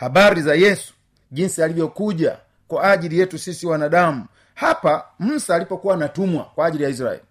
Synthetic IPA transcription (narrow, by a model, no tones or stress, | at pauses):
habaɾizajɛsu̥ | ʄinsialivjɔkuʄa̰ | kwaːʄilijɛtusisiwanaɗamu | hapam̩saːlipɔkuwanatumwa̰kwaːʄilijais̬ɾa̰ɛ̰li